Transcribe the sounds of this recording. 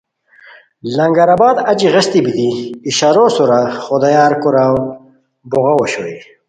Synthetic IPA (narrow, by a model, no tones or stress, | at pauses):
lɐŋɡɐɾabaːd̪ɐt͡ɕiʁɐst̪ibit̪iːɕaɾosuɾaχod̪ajaːɾkuɾaw | boɣɐwoɕoi